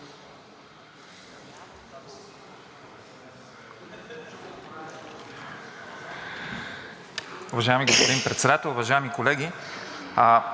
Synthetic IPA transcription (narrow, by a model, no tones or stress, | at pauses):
ʊvɐʒaɛmiɡospod̪inpɾɛt̪sɛd̪at̪ɛlˠʊvɐʒaɛmikolɛɡʲi